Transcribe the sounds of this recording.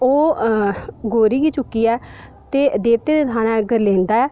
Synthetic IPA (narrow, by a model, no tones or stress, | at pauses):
oː | ɡoːɾiːɡiːt͡ʃʊkːiːɛːt̪eːd̪eːt̪eːd̪eːt̪ʰaːnãɡəɾlẽːnd̪aːɛː